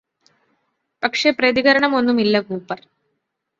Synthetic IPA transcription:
pɐkʂe̞prɐðiɣɐɾɐɳɐmo̞nːumilːɐɡuːpːɐr

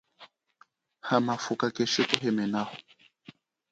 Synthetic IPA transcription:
hamafukakɛʃekuɦɛmɛnahɔ

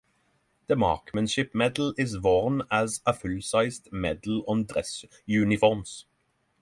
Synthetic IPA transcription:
ð̥əmɑ̰ɹkmɛ̃nʃɪpmɛd̪l̩ɪzʋɔɹnæzəfʉlsaɪst̪mɛd̪l̩ɔ̃nd̪ʁɛs | jʉːnɪfɔɹms

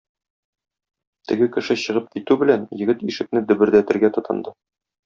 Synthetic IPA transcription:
t̪ɘ̆ɡɘkɘ̆ʃɘɕɤ̆ʁɤp̚kit̪ʉbɘ̆lænjɘ̆ɡɘt̪iʃɘ̆k̚nɘd̪ɵ̆bɘ̆ɾd̪æt̪ɘ̆ɾɡæt̪ŏt̪ʰɤ̆nd̪ɤ

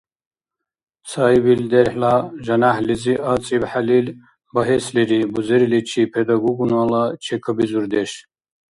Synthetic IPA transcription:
saibild̪eɾħlaʒɐnahliziʔat͡sʼibħalil | bɐɦesliɾibuzeɾilit͡ʃʰipʰed̪ɐɡuɡunaːlat͡ʃʰekʰəbizuɾd̪eʃ

